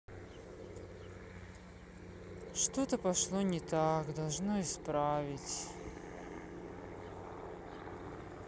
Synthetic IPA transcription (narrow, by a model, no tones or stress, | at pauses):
ʂt̪ot̪əpɐʂlˠonʲɪt̪akd̪ɐlˠʐnoɪspɾavʲɪtʲ